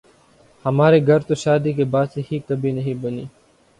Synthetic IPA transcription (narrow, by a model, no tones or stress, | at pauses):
həmaːɾeːɡʱəɾt̪oʃaːd̪iːk̬eːbaːd̪seːhiːkəbʱiːnəɦĩbəniː